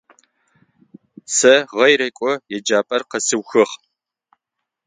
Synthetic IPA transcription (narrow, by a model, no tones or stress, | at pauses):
sɐʁɐjɾɐjkʷʼɔjɛd͡ʒaːpʼɐrqɐsɨwxɨχ